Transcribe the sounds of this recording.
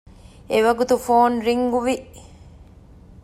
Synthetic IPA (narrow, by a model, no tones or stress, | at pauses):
eʋɐɡut̪ufoːnɾiŋɡuʋiʔ